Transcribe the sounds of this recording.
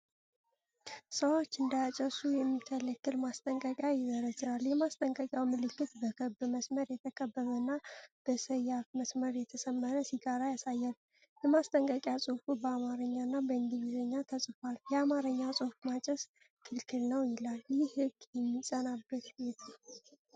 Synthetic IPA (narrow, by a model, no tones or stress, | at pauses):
səwo̞t͡ʃːɨnd̪ajat͡ʃʼəsujɛmːit̪ʰələkːɨlmast̪ʼəŋkʼəkʼjajɪzəɾəd͡ʒɾaljɛmast̪ʼəŋkʼəkʼjawmɨlɨkːɨt̪bəkʰəbɨməsməɾjɛt̪ʰəkʼʰəbːəβənːab̥əsəjafməsməɾjɛt̪ʰəsəmːəɾəsiɡaɾajasajːal | jɛmast̪ʼəŋkʼəkʼjasʼɨfubəamaɾəɲːanːabəɨnd̪ivizəɲːat̪ʰəsʼfaljɛamaɾəɲːasʼɨfmat͡ʃʼɛs | kʰɨlkʰɨlnəwjɪlaljɪhɨɡjɛmːisʼənabːət̪jɛt̪ʰal